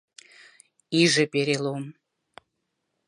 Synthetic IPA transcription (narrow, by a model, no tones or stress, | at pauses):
iʒĕpeɾelom